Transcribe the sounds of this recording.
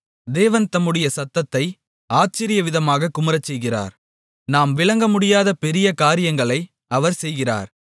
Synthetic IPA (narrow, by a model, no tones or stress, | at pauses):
d̪eːʋɐnt̪ɐmɯɽɪjɐsɐt̪ːɐt̪ːɐɪ | aːt͡ʃɪɾɪjɐʋɪðɐmaːɣɐkʊmɐɾɐt͡ʃːɛjɣɪra̰ːɾ | naːmʋɪɭɐŋɡɐmʊɽɪjaːðɐpɛɾɪjɐkaːɾɪjɐŋɡɐɭɐɪ | ɐʋɐɾsɛjɣɪra̰ːɾ